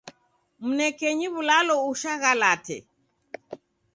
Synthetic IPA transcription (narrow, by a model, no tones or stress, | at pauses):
m̩nɛkɛɲiβulalɔuʃaɣalatʰɛ̰